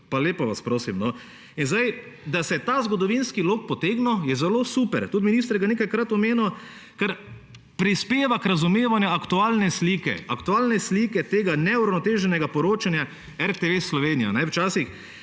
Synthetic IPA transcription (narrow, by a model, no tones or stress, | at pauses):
paleːpɔʋaspɾoːsimnɔ | inzd̪aj | d̪asɛt̪aːzɡɔd̪ɔʋinskiloːk̚pɔt̪eːɡnɔjɛzɛloːsuːpɛɾt̪ut̪minist̪ɾɡaneːkajkɾat̪ɔmeːnɔ | kaɾ | pɾispeːʋakɾazumeːʋanjuakt̪uaːlnɛsliːkɛ̰akt̪uaːlnɛsliːkɛt̪eːɡanɛuɾawnɔt̪eːʒɛnɛɡapɔɾoːt͡ʃanja | ɛɾt̪eʋesːlɔʋeːnija̰nɛwt͡ʃaːsix